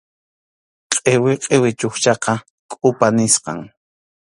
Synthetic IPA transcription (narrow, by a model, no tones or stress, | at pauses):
qʼewɪqʼewɪt͡ʃʊxt͡ʃɑqɑ | kʼʊpanɪsqɑ̰ŋ